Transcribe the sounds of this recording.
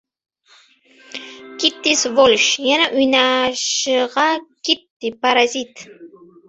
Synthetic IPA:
kɪt̪ːɪsvolʃjanaʔʊjnaʃɢɑkɪt̪ːɪpaɾazit̪

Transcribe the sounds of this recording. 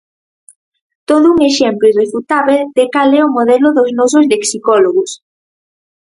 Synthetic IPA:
t̪oðʊuŋeʃemploirefut̪aβed̪̥ekalɛomoðɛlʊðoznɔs̬ʊzleksikɔloɣʊs

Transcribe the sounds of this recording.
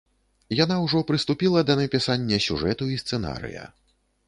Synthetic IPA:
jan̪awʐɔpɾɨst̪upʲilˠɐd̪ɐnɐpʲisanʲːɐsʲṵʐɛt̪uist̪sɛna̰ɾɨ̰jɐ̰

